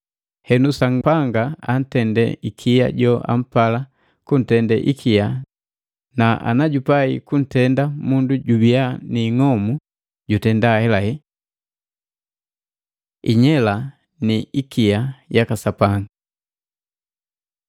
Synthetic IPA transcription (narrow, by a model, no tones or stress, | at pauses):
hɛnusaŋpaŋɡaan̩tɛndɛ̰ikʰija̰ɟɔʔa̰m̩pala | kun̩tɛndɛ̰ʔikʰija | naʔa̰naɟupaikun̩tɛndamunduɟubianiŋɔmu | ɟutɛndahɛlahɛ | ḭɲɛla | niikiajakasapaŋɡa